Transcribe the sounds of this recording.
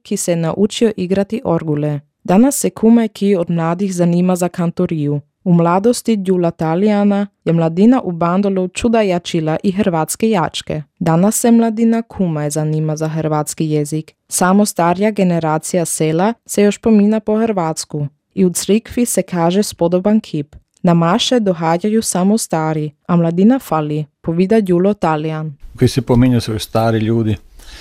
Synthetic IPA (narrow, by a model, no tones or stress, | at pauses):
kisɛnaʔut͡ʃioʔiɡɾat̪iʔoɾɡule | d̪anasːekʰumajkʰiod̪mlaːd̪ixzaniːmazakant̪oɾiu | umlaːd̪ost̪ijulat̪alianajemlˠad̪inaʔuband̪olut͡ʃud̪ajat͡ʃilaʔiɦɾʋaːt̪skejat͡ʃkḛd̪anasːemlˠad̪inakʰumajzaniːmazaxrɾʋaːt̪skijezik | samost̪aːɾjaɡeneɾaːt̪sijaselasejoʃpominapoxɾʋaːt̪sku | iut̪sɾikfisekʰaːʒɛspod̪obankʰip | namaʃɛd̪oɦaːɟajusamost̪aːɾiamlˠad̪inafalipoʋid̪ajulot̪aliankoisɛpomiɲasʋojst̪aːɾiʎuːd̪i